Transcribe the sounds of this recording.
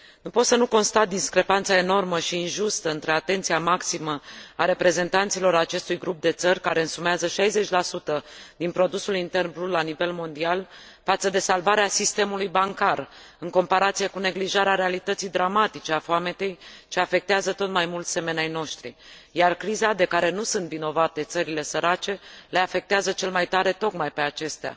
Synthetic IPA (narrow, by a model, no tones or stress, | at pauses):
nupo̞t̪sənuko̞nst̪at̪̚d̪iskɾe̞pant̪sae̞no̞rməʃiːnʒust̪əɨnt̪ɾe̞at̪e̞nt̪sijamaksiməaɾe̞pɾe̞ze̞nt̪ant̪silo̞ɾat͡ʃe̞st̪ujɡɾup̚d̪e̞t̪sərʲkaɾe̞ɨnsumeazəʃajze̞t͡ʃʲlasut̪əd̪inpɾo̞d̪usulint̪e̞rnbullːanive̞lmo̞nd̪ial | fat̪səd̪e̞salvaɾeasist̪e̞mulujbaŋkar | ɨŋko̞mpaɾat̪sije̞kune̞ɡliʒaɾeaɾe̞alit̪ət̪sijd̪ɾamat̪it͡ʃe̞afoame̞t̪e̞jt͡ʃe̞afe̞k̚t̪eazət̪o̞t̪majmult̪se̞me̞najno̞ʃt̪ɾḭ | jarkɾizad̪e̞kaɾe̞nusunt̪vino̞vat̪e̞t̪səɾile̞səɾat͡ʃe̞le̞afe̞k̚t̪eazət͡ʃe̞lmajt̪aɾe̞t̪o̞kmajpe̞at͡ʃe̞st̪ea̰